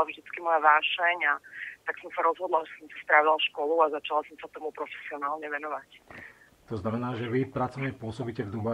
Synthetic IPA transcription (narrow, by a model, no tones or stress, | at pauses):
lavʒd̪it͡skimɔjaʋaːʃɛɲat̪aksɔmsaɾɔzɦɔd̪laʒɛsɔmsi̥st̪ɾaʋilʃkɔluazat͡ʃalasɔmsat̪ɔmupɾɔfɛ̥siɔnaːlɲɛʋɛnɔʋac | t̪ɔznamɛnaːʒɛʋipɾat͡sɔʊɲɛpʊɔsɔbiːcɛvd̪uba